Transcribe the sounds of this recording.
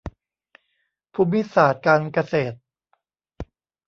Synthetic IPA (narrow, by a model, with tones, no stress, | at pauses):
pʰuː˧˥mːi˦˥saː˨˩t̪̚kaː˧nka˧seː˨˩t̪̚